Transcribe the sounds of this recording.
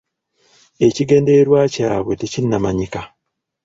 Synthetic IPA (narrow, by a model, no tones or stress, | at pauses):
et͡ʃiɡendeɾwat͡ʃawetit͡ʃinːamaɲika